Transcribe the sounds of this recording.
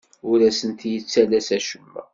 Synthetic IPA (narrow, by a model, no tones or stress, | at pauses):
ʊɾæsənt̪jət͡sːælæsæʃəmːæ̰